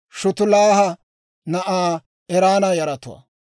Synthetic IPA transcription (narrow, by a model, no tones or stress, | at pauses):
ʃʊt̪ʊlaːhɐ | nɐʔaː | ɛɾaːnɐjɐɾɐt̪ʊwa̰